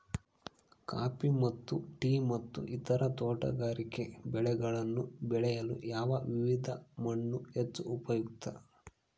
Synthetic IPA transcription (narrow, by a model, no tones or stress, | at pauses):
ka̰ːpimɐt̪ːuʈiːmɐt̪ːṵʔit̪ɐɾɐt̪ɔːʈɐ̰ɡaːɾike̞bɛɭɛɡɐɭɐnːubɛɭɛjɐlṵjaːʋɐʋiʋid̪ʱɐmɐɳːuhet͡ʃːuːpɐjukt̪ɐ̰